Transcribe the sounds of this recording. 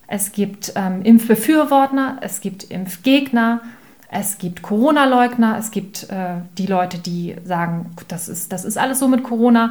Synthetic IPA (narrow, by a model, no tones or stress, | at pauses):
ʔɛsɡ̥iːptʔɛːmʔɪmfb̥əfyːɐvɔɐtɐʔɛsɡ̥iːp̚tʰʔɪ̰mfɡ̥eːɡnɐ | ʔɛsɡ̥iːptkʰoʁoːnalɔʏknɐʔɛsɡ̥iːp̚tʔɛːd̥iːlɔʏtədiːzaːɡŋ̩d̥asɪ̰std̥asɪstʔa̰ləsz̥oːmɪtkʰoʁ̞oːna